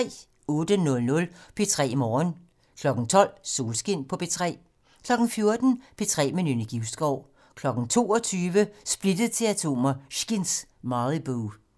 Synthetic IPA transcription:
ɛ̰ː | ɔːd̥ənɔ̽lnɔ̽lpʰe̝t͡sʰʁɛ̰ːmɒːn | kʰlɒ̽ɡ̥n̩t͡sʰɒ̽l̰so̝ːlsɡ̥en̰pʰɒ̽pʰe̝t͡sʰʁɛ̰ː | kʰlɒ̽ɡ̥ŋ̩fjo̝ɐd̥n̩pʰe̝t͡sʰʁɛ̰ːminyniɡ̥iʊsɡ̥ɒʊ̰ | kʰlɒ̽ɡ̥n̩t͡sʰo̝̰ːɒt͡sʰyːʋəsb̥lid̥əð̩ˠt͡sʰe̝læt͡sʰo̝̰ːmɐʃɡ̥insmɑðˠib̥uː

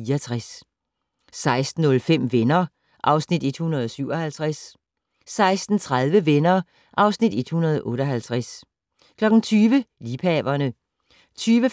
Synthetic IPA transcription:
iɐt͡sʰʁas | sɑ̈ɪsd̥n̩ɔ̽lfem̰ʋenɐ | ʔɑ̈ʊsnid̥e̝d̥hunɐð̞ˠɒsyʊɒhælt͡sʰʁæs | sɑ̈ɪsd̥n̩t͡sʰʁað̞ˠʋəʋenɐː | ʔɑ̈ʊsnid̥e̝d̥hunɐð̞ˠʔɔ̽ːɾ̥ɒɦælt͡sʰʁæs | kʰlɒ̽ɡ̥n̩t͡sʰyːʋəliːpʰɛʋɐnə | t͡sʰyːʋə

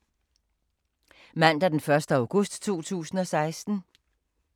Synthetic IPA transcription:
mæn̰d̥æɐd̥enfɶɐsd̥əɑ̈ʊɡ̥ɔsd̥t͡sʰo̝̰ːt͡sʰṵːsn̩ɒ̽sɑ̈ɪsd̥n̩

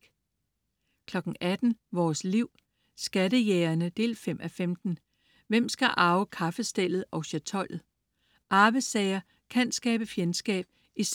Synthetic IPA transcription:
kʰlɒ̽ɡ̥n̩ʔæd̥n̩ʋɒːsliʊ̰ | sɡ̥ædəjeːɐnəd̥e̝̰ːlfem̰ʔæfemd̥n̩ | ʋem̰sɡ̥æʔɑ̈ʊəkʰɑ̈fəsd̥el̰ð̞̩ˠɒ̽ʊɕæt͡sʰɒ̽l̰ð̩ˠ | ʔɑ̈ːbəsɛɪɐ | kʰænsɡ̥ɛːb̥əfjensɡ̥ɛ̰ːb̥̚ | is

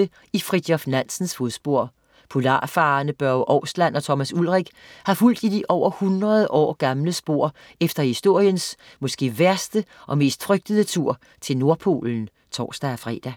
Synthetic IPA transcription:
ə | ifʁid̥jɒfnæn̰sn̩sfoðˠsb̥o̝ɐ̰ | pʰolɑ̰̈ːfɑ̈ːnəb̥ɶɐʊʔɒʊslæn̰ɒ̽t͡sʰɒ̽mæsulʁɛɡ̥hɑ̈ful̰d̥id̥iʔɒʊ̰ɐhunʁɐðˠʔɒ̰ːɡ̥ɑ̈mləsb̥o̝ɐ̰ | efd̥ɐhisd̥o̝ɐ̰jəns | mɒ̽sɡ̥e̝̰ːʋæɐsd̥əʔɒ̽me̝̰ːsd̥fʁœɡ̥̚d̥əðˠət͡sʰuɐ̰ | t͡sʰe̝lno̝ɐpʰo̝̰ːln̩ | t͡sʰɒ̰ːsd̥æɒfʁɛ̰ːd̥æ

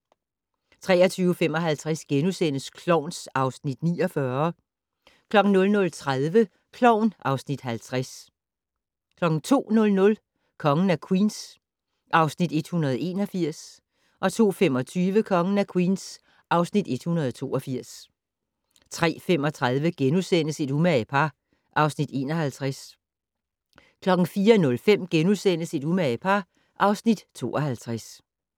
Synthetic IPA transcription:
t͡sʰʁɛ̰ːɐt͡sʰyːʊfemɒ̽ɦælt͡sʰʁasɡ̥enusen̰əskʰlɒʊ̰nsɑ̈ʊsnid̥niːɒfɶɐ | kʰlɒ̽ɡ̥ŋ̩nɔ̽lnɔ̽lt͡sʰʁaðˠʋə | kʰlɒʊ̰nʔɑ̈ʊsnid̥hælt͡sʰʁas | kʰlɒ̽ɡ̥n̩t͡sʰo̝̰ːnɔ̽lnɔ̽l | kʰɒ̽ŋn̩ækʰwiːns | ʔɑ̈ʊsnid̥e̝d̥hunɐð̞ˠe̝ːnɒ̽fiɐ̰s | ʔɒ̽t͡sʰo̝̰ːfem̰ɒ̽t͡sʰyːʋəkʰɒ̽ŋn̩ækʰwiːns | ʔɑ̈ʊsnid̥e̝d̥hunɐð̞ˠɒt͡sʰo̝̰ːʔɒ̽fiɐ̰s | t͡sʰʁɛ̰ːfem̰ɒ̽t͡sʰʁaðˠʋəɡ̥enusen̰əse̝d̥umæpʰɑ̈ː | ʔɑ̈ʊsnid̥e̝̰ːnɒ̽hælt͡sʰʁæs | kʰlɒ̽ɡ̥ŋ̩fiːɐnɔ̽lfem̰ɡ̥enusen̰əse̝d̥umæpʰɑ̈ | ʔɑ̈ʊsnid̥t͡sʰo̝̰ːʔɒ̽hælt͡sʰʁas

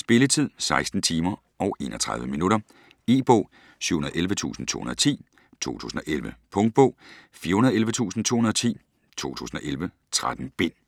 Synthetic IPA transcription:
sb̥e̝lət͡sʰið̞̰ˠsɑ̈ɪsd̥n̩t͡sʰiːmɐ | ɒʊʔe̝̰ːnɒt͡sʰʁɑ̈ð̞ˠʋəminuɾɐ | e̝̰ːb̥ɔ̰ː | syːhunɐð̩ˠelʋət͡sʰṵːsn̩t͡sʰo̰hunɐt͡sʰḭː | t͡sʰo̝̰ːt͡sʰṵːsn̩ɒ̽ʔelʋəpʰɔ̽ŋd̥̚b̥ɔ̰ːfiɐhunɐðˠelʋət͡sʰṵːsn̩t͡sʰo̝̰ːhunɐðˠɒ̽t͡sʰḭː | t͡sʰo̝̰ːt͡sʰṵːsn̩ɒ̽ʔelʋə | t͡sʰʁad̥n̩b̥e̝n̰

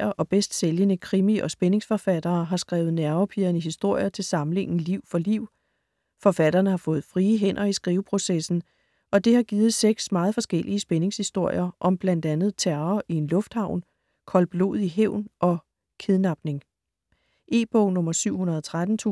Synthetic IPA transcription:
ɐʔɒ̽b̥esd̥seljənəkʰʁimiʔɒ̽sb̥ene̝ŋsfɒ̽fæd̥ɐːɦɑ̈sɡ̥ʁaːʊð̞̩ˠnæɐʋɐpʰiɐniɦisd̥o̝ɐ̰jɐt͡sʰe̝lsɑ̈mle̝ŋ̰n̩liʊ̰fɒ̽liʊ̰ | fɒ̽fæd̥ɐːnəhɑ̈fɔ̽ːð̩ˠfʁiːəɦen̰ʔɐisɡ̥ʁiːʊəpʰʁo̝sesn̩ | ʔɒ̽d̥e̝hɑ̈ɡ̥iːð̞̩ˠseɡ̥smɑ̈ːð̞̩ˠfɒ̽sɡ̥elʔiəəsb̥ene̝ŋshisd̥o̝ɐ̰jɐʔɒ̽mb̥læn̰d̥ænð̞̩ˠt͡sʰæɐɐʔie̝nlɔ̽fd̥hɑ̈ʊ̰n | kʰɒ̽lb̥lo̝̰ːð̩ˠiɦeʊ̰nʔɒ̽ | kʰe̝ðˠnɑ̈b̥ne̝ŋ | ʔe̝ːb̥ɔʊnɔ̽mɐsyʊ̰hunɐð̞ˠɒt͡sʰʁad̥n̩t͡sʰṵ

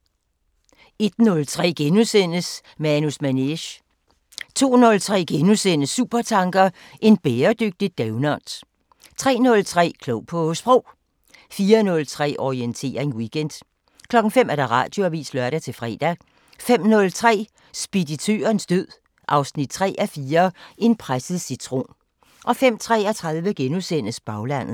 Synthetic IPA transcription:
e̝d̥nɔ̽lt͡sʰʁɛ̰ːɡ̥enusen̰əs | meænusmæneɕ | t͡sʰo̝̰ːnɔ̽lt͡sʰʁɛ̰ːɡ̥enusen̰əsuːb̥ɐt͡sʰɑ̈ŋɡ̥ɐ | ʔe̝nb̥eːɐd̥øɡ̥̚d̥id̥̚ːæʊnɒn̰s | t͡sʰʁɛ̰ːnɔ̽lt͡sʰʁɛ̰ːkʰlɔʊ̰pʰɔ̽sb̥ʁɔʊ̰ | fiːɐnɔ̽lt͡sʰʁɛ̰ːʔɒient͡sʰe̝̰ːɐʁeŋwiɡ̥en̰d̥ | kʰlɒ̽ɡ̥ŋ̩fem̰æɐd̥ɑ̈ʁɑ̰̈ːd̥joæʋḭːslɶɐɾæt͡sʰe̝lfʁɛ̰ːd̥æ | fem̰nɔ̽lt͡sʰʁɛ̰ː | sb̥idit͡sʰø̰ːɐnsd̥øð̰ˠ | ʔɑ̈ʊsnid̥̚t͡sʰʁɛ̰ːʔæfiːɐʔe̝npʰʁasəð̩ˠsit͡sʰʁo̝̰ːn | ʔɒ̽fem̰t͡sʰʁɛ̰ːæt͡sʰʁɑðˠʋəɡ̥enusen̰əsb̥ɑ̈ʊlæn̰ð̩ˠ

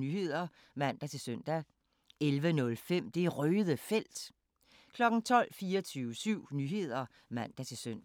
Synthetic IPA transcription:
nyhe̝ð̰ˠɐ | mæn̰d̥æt͡sʰe̝søn̰d̥æ | elʋənɔ̽lfem̰d̥e̝æʁøːðˠəfel̰d̥ | kʰlɒ̽ɡ̥n̩t͡sʰɒ̽l̰fiːɐɒt͡sʰyːʊəsyʊ̰nyɦe̝ð̰ˠɐ | mæn̰d̥æt͡sʰe̝søn̰

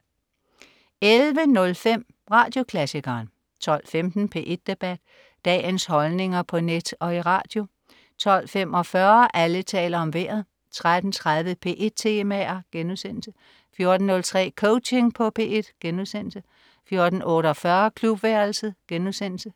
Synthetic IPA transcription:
elʋənɔ̽lfem̰ | ʁɑ̈ːd̥jo̝kʰlæsikɐːn | t͡sʰɒ̽l̰femd̥n̩pʰe̝̰ʔe̝d̥̚ːe̝b̥æd̥ | d̥ɛ̰ːnshɒ̽lne̝ŋɐpʰɒ̽ned̥ɒ̽iʁɑ̰̈ːd̥jo̝ | t͡sʰɒ̽l̰fem̰ɒ̽fɶɐʔælət͡sʰɛ̰ːlɐɒ̽mʋeːɐ̰ð̩ˠ | t͡sʰʁad̥n̩t͡sʰʁað̞ˠʋəpʰe̝̰ːʔe̝d̥̚t͡sʰe̝mæɐɡ̥enuðˠsen̰l̩sə | fjo̝ɐd̥n̩ːɔ̽lt͡sʰʁɛ̰ːkʰoʊt͡ʃe̝ŋpʰɒ̽pʰe̝̰ːe̝d̥ɡ̥enuðˠsen̰l̩sə | fjo̝ɐd̥n̩ʔɔ̽ɾɒfɶɐkʰlub̥ʋæɐlsð̩ˠɡ̥enuðˠsen̰l̩sə

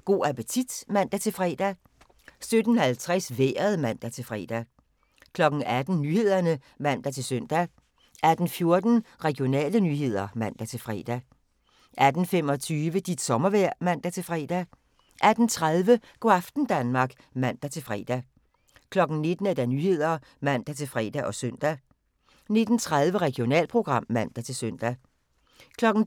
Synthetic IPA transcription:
ɡ̥o̝̰ːæpət͡sʰid̥mæn̰d̥æt͡sʰe̝lfʁɛ̰ːd̥æ | sød̥n̩hælt͡sʰʁɛsʋḛːɐðˠmæn̰d̥æt͡sʰe̝lfʁɛ̰ːd̥æ | kʰlɒ̽ɡ̥n̩æd̥n̩nyːhe̝ð̞̰ˠɐnə | mæn̰d̥æt͡sʰe̝lsøn̰d̥æ | ʔæd̥n̩fjo̝ɐd̥n̩ʁɛɡ̥io̝nɛ̰ːlənyːɦe̝ð̞̰ˠɐmæn̰d̥æt͡sʰe̝lfʁɛ̰ːd̥æ | ʔæd̥n̩femɒ̽t͡sʰyːʋəd̥id̥sɒ̽mɐʋæɐ̰mæn̰d̥æt͡sʰe̝lfʁɛ̰ːd̥æ | ʔæd̥n̩t͡sʰʁað̞ˠʋəɡ̥oɑfd̥n̩d̥ænmɑ̈ɡ̥ | mæn̰d̥æt͡sʰe̝lfʁɛ̰ːd̥æ | kʰlɒ̽ɡ̥n̩ne̝d̥n̩æd̥ænyːhe̝ð̞̰ˠɐ | mæn̰d̥æt͡sʰe̝lfʁɛ̰ːd̥æʔɒ̽søn̰d̥æ | ne̝d̥n̩t͡sʰʁað̞ˠʋəʁɛɡ̥ijo̝nɛ̰ːlpʰʁo̝ɡ̥ʁɑ̈m̰ːæn̰d̥æt͡sʰe̝lsøn̰d̥æ | kʰlɒ̽ɡ̥n̩

